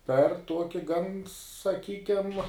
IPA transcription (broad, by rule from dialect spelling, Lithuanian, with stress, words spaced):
pʲɛr ˈtuɔkʲɪ ɡɐn sɐˈkʲiːkʲɛm